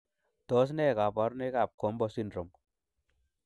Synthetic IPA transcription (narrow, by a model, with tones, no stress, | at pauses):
t̪ɔ˨˦s̬ne˦˨ka˨pa˨˦ɾne˦ka˨p̚kɔ˨˦mbɔ˦si˦ndɾo˨m